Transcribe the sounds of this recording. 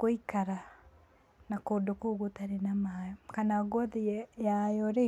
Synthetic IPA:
koikaɾa | nakoːndokoɣotaɾenamajɔkanaɣɔðijajɔɾe

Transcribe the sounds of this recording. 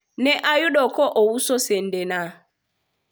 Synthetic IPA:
nɛʔajuɗɔkɔʔɔwusɔsɛn̩dɛna

